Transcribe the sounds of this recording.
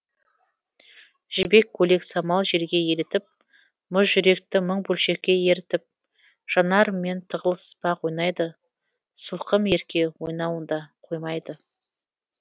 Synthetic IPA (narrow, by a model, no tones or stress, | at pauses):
ʒ̥ɪbe̞kʲʰːɵle̞ksɑmɑlˠʒe̞ɾɡʲe̞je̞ɾɪt̪ɪp̚ | mʊsʒʏɾe̞k̚t̪ɪməɴbɵlʃe̞ɾkʲːe̞je̞ɾɪt̪ɪp̚ | ʒ̥ɑnɑɾme̞nt̪ʰəʁəlˠəsə̥spɑqwo̞jnɑjd̪ə | sʊlˠqəme̞ɾkʲe̞wo̞jnɑwənd̪ɑqʰo̞jmɑjd̪ə